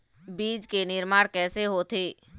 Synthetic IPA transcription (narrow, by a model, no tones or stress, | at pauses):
biːd͡ʒkenɪɾmaːɽkɛːseɦoːt̪ʰeː